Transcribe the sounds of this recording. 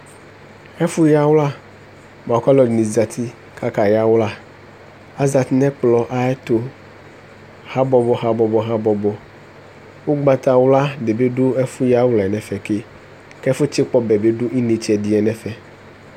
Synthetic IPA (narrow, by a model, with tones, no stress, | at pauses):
ɛ˦fu˦ja˦wla˦ | m˨ã˨ka˦lɔ˨nĩ˨za˨t̪ʰi˦ | kʰa˦ka˨ja˦wla˦ | a˦za˨t̪i˦nɛ̃˦k͡plɔ˨ʔa˦ɛ˦t̪o˨ | ha˦bɔ˨bɔ˨ɦa˨bɔ˨bɔ˨ɦa˦bɔ˨bɔ˨ | wo˦ɡ͡ba˨t̪a˨wla˦ɖe˨be˦ɖo˦ɛ˦fu˦ja˦wlɛ˨nɛ̃˨fɛ˨ke˦ | kɛ˦fo˦t͡ɕe˦k͡pɔ˦bɛ˨be˦ɖo˦i˦ne˨t͡ʃɛ˨di˨ɛ˨nɛ̃˦fɛ˨